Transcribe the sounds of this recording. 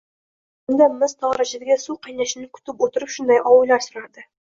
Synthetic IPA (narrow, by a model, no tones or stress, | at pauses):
ond̪ɑmɪzt̪ʰɒʁɾɑʒeɾɡʲesuqʰɑjnæʃɪnɪkʲʰʉ̥t̪ɪpwot̪əɾəpʃʊnd̪ɑjʔɒwɤlːˠɑɾsʊɾɑd̪ə